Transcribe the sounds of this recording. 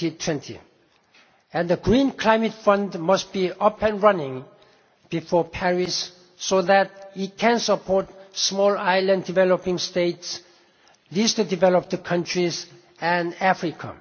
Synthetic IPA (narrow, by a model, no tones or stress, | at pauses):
itʰwɛ̃ntʰḭ | ɛ̃nðəɡɹĩnkʰl̥aɪ̃mɨtfʌ̃ndmʌst̚b̥iʌpɛ̃nɹʌnɪ̃ŋ | b̥ifɔɹpʰɛɹisː | oðæt̚it̚kʰɛ̃nsəpʰɔɹt̚smɔlaɪlə̃nddivɛlopɪ̃ŋsteɪts | listədivɛləp̚tkʰʌ̃ntʰɹiz | ɛ̃næfɹikʰa̰